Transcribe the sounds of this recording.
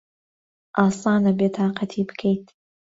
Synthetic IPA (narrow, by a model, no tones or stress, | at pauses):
ʔɑːsɑːnɐbeːt̪ʰɑːqɑt̪ʰiːbɨ̥kʰejt̪